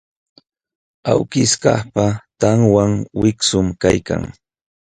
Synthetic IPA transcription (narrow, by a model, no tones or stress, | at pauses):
awkɪskɑχpat̪aŋwaŋwɪksʊmkajka̰ŋ